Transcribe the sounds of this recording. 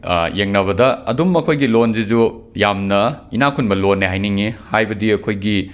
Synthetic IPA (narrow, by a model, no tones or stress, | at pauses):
jeŋnɐβɐdɐɐ̰dumːɐkʰojɡilonzid͡ʒu | jamnɐinakʰunbɐlonːeɦajniŋihajbɐdiɐkʰojɡi